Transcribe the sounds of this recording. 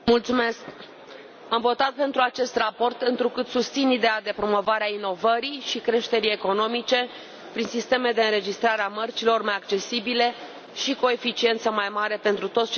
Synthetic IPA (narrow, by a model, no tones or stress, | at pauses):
mult̪sumesk | amvo̞t̪at̪̚pe̞nt̪ɾuat͡ʃe̞st̪rapo̞rt̪ɨnt̪ɾukɨt̪sust̪sinid̪e̞ad̪e̞pɾo̞mo̞vaɾeaino̞vəɾiʃikɾe̞ʃt̪e̞ɾie̞ko̞no̞mit͡ʃe̞ | pɾinsist̪e̞me̞d̪eɨnɾe̞d͡ʒist̪ɾaɾeamərt͡ʃilo̞rmajak̚t͡ʃe̞sibile | ʃiko̞efit͡ʃie̞nt̪səmajmaɾe̞pe̞nt̪ɾut̪o̞t̪st͡ʃ